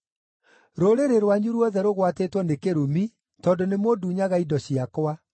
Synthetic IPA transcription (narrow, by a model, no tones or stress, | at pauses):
ɾoɾeɾeɾwaɲuɾwɔðɛɾoɣwatetwɔnekeɾumi | tɔndonemoduɲaɣaidɔɕiakwa